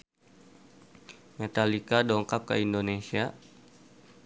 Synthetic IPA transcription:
met̪alikadɔŋkap̚kə̰indonesia

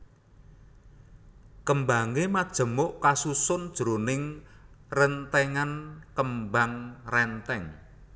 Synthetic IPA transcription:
kəmbaŋemad̥ʒ̥ə̤mʊʔkasusʊnd̥ʒ̥ɾonɪŋrənt̪ɛŋankəmbaŋrɛnt̪ɛŋ

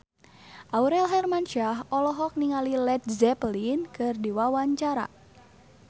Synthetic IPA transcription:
ʔauɾɛlɦɛrmanʃaɦɔlɔɦɔk̚niŋalilɛt̪̚zɛplinkɨrdiwawaɲt͡ʃaɾa̰

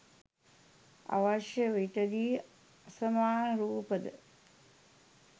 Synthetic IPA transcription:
a̰ʋaʃjəʋiʈəd̪iː | asɐmaːnɾuːpəd̪ə̰

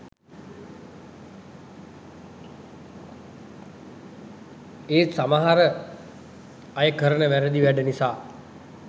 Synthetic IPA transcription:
eːsamaɦaɾə | ajəkəɾənəʋæɾəd̪iʋæɖənisaː

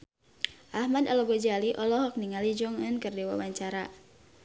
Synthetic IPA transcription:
ʔahmadalɔɡɔd͡ʒaliʔɔlɔɦɔk̚niŋalid͡ʒɔŋənkɨrdiwa̰waɲt͡ʃaɾa

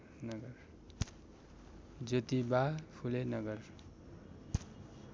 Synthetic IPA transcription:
nʌɡʌr | d͡zʌt̪ibapʰulenʌɡʌr

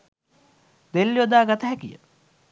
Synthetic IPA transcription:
d̪elːjod̪aːɡat̪əɦækijə̰

